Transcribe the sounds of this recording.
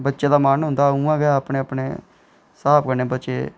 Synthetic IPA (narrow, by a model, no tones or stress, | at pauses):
bətːʃeːd̪aːmaːnɦʊ̃nd̪aːũːãːɡɛapɳeːəpɳeː | saːpkəɾneːbətːʃḛː